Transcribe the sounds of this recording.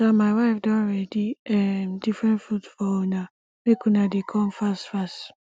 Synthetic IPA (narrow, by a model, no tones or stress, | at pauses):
samaɪwaɪfdɔ̃ɹɛdiɛmdifɹɛ̃ntfudfɔona | mekunadekʰɔ̃mfastfast